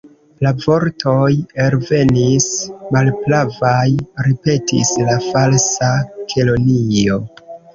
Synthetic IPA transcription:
lavo̞ɾto̞jeɾve̞nismalplavajɾipe̞tḭslafalsakʰe̞lonio̞

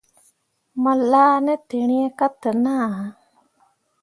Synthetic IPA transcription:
məlːaːnet̪eɳ̃ijəkat̪ənaː

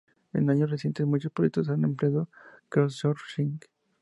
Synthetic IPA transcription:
ḛnaɲosresje̞nt̪ezmuɲt͡ʃospɾojet̪os̬anempleaðokolʃoɾʃiŋk

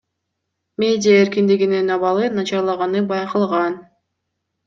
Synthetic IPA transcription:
mʲe̞dʲɪjaeɾkind̪iɡininɑβɑlˠɯnɑt͡ʃɑɾlˠɑʁɑnɯbɑjqɯlˠʁɑn

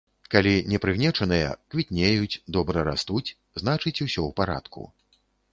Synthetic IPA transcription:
kalʲinʲɛpɾɨɣnʲɛt͡ʂɐnɨjɐ̰kvʲit̪ʲnʲejut͡sʲd̪ɔbɾɐɾa̰st̪ut͡sʲ | znat͡ʂɨt͡sʲusʲɔwpaɾa̰t̪kṵ

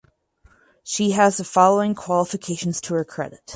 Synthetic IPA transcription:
ʃiɨzðəfɑlˠoʊɪ̃ŋkʰw̥ɑlˠəfɨkʰeɪʃn̩z̥tʰəə˞kʰɹ̥ɛ̰ɾɨt̚

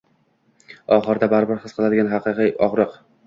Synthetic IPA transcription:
ɒχɨɾd̪abaɾbɪɾχɨsqʰɨlad̪ɪɡʲanɦɑqɨqiɒʁɾɨq

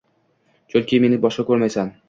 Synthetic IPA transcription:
t͡ʃʰolkʲijmenɪbɒʃqakʲɵɾmajsan

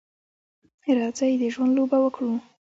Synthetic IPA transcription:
ɪɾɑzajed̪əʒwand̪lobawəkɽu

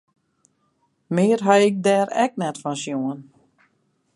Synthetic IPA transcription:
mɪːrɦajɪk̚dɛːɾɛ̰k̚nɛtfɔnsjoən

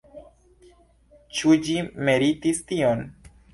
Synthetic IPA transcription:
t͡ʃud͡ʒimeɾit̪ist̪ion

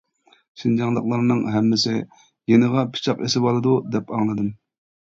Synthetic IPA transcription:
ʃind͡ʒɑŋlˠəqlˠɑɾnɨŋɦɛmːɪsɪ | jenəʁɑpʰi̥t͡ʃʰɑqesɪbɑlˠɨd̪ud̪ɛpɑŋlˠɨd̪ɨm

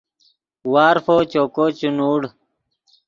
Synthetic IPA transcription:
waːɾfoːt͡ɕoːkot͡ɕunuːɽ

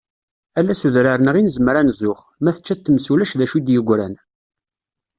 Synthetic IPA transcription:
ælːæsuðɾaɾnəʁinzəmɾanzʊχmæθə̥t͡ʃːæt̪ːmsulæʃðæʃud̪jəɡʷːɾæn

